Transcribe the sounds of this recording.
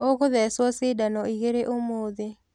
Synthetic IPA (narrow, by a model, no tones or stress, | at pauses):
okʊðɛswɔsɪdanɔiɣeɾeʔomoðe